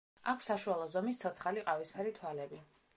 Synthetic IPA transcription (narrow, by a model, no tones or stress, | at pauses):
akʰsaʃualˠɔzɔmist̪sʰɔt̪sʰχaliqʼavispʰɛɾit̪ʰwalɛbi